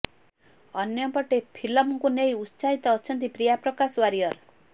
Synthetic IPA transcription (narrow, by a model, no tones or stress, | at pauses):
ʌnjɔpɔʈepʰilɔmkunejussait̪ɔːt͡ʃʰʌnt̪ipɾijapɾɔkaswaɾijʌɾ